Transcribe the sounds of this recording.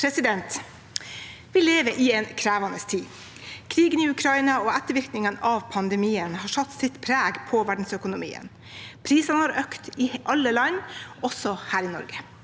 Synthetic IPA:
ɾɛsɪd̪ɛnt̪ | ʋɪleːʋəʔɪɛːnkʰɾæːʋɑnəst̪ʰiː | kʰɾiːɡənɪʉkʰɾɑiːnɑɔæt̪ːəɾʋɪɾknɪŋənɑʋpʰɑnd̪ɛmiːənhɑːʂɑt̪ːsɪt̪pʰɾæːɡpʰɔʋæɖɳ̩sœkʊnʊmḭːə̰n | pʰɾiːsɑnəhɑːɾøkt̪ɪʔɑlːəlɑnʔɔsɔhæːɾɪnɔ̰ɾɡə̥

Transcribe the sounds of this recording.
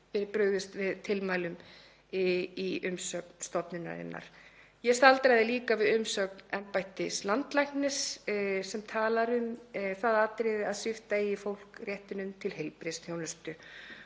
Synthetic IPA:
fɛɾɪpɾœɥɣðɪst̪vɪðt̪ʰɪlmaːjlʏm | ɪiʔʏmsœːkn̥st̪ɔpnɪna̰ɾɪ̰nːa̰ɾ̥jɛst̪alt̪ɾajðɪliːkavɪðʏmsœːknɛmpajht̪ɪslant̪lajknɪssɛmt̪ʰaːlaɾʏmθaðat̪ɾɪðɪaðsɪft̪aɪfowl̥krjɛht̪ɪnʏmt̪ʰɪlhejlpɾɪst̪θjownʏst̪ʏ

